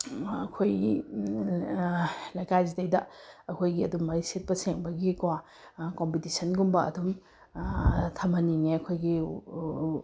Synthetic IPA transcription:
ɐkʰoji | lɐjkʰajzitɐjdɐɐkʰojɡiɐdumɐɾiset̚pɐseŋbɐɡikwa | kompitisɐnɡumbɐɐ̰dum | tʰɐmɐniŋeɐkʰojɡi

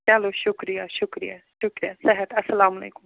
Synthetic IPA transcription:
ɐloːʃʊkɾijaʃʊkɾija | ʃʊkɾijasɛɦət̪ɐsɐlaːmɐlḛːkʊm

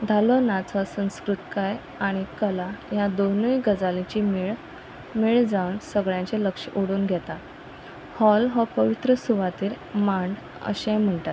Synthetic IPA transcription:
d̪ʱalonãt͡sasə̃w̃skɾut̪kaj | aɽ̃ikəlajad̪onəjɡəd͡zalĩt͡ɕiːmeɭ | miɭd͡zaʋənsəɡɭjãɲt͡ɕeləkʂʔoɽuːnɡʱɛt̪a | hɔlɦɔpəʋit̪ɾəsuʋat̪iːɾ | maɳɖ | ə̰ɕẽjm̤əɳʈat̪

